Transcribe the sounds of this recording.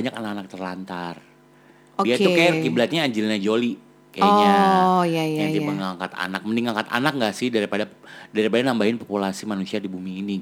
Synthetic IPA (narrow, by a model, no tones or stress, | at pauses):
ɲakanakanak̚t̪ərlant̪ar | oiaukajakiblat̪̚ɲaːɲd͡ʒɪlɲad͡ʒoli | kajaɔ | jajad͡ʒiəŋaŋkat̪a̰nak̚məniŋaŋkat̪a̰nak̚ŋɡaʔsɪhdaɾipadadaɾipadanambaɦɪnpopulasimanusiadibumiːni